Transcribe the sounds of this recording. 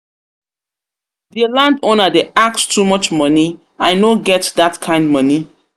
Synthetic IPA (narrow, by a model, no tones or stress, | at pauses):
ðəlãndonədeʔakstʰumʌt͡ʃmʌni | ãɪnoɡɛtðatkʰãɪ̃nd̚mʌni